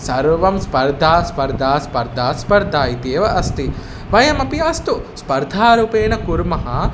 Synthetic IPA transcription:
sɐɾʋɐmspɐɾd̪ʱaːspɐɾd̪ʱaːspɐɾd̪ʱaːspɐɾd̪ʱaːit̪eːʋɐʔɐst̪i | ʋɐjɐmɐpiɐst̪uspɐɾd̪ʱaːɾupeːnɐkuɾmɐɦɐ

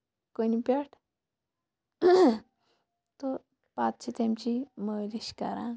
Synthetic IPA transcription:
konipeʈʰ | t̪o | pat̪̚t͡ɕʰit̪emt͡ɕiməːliɕka̰ɾã

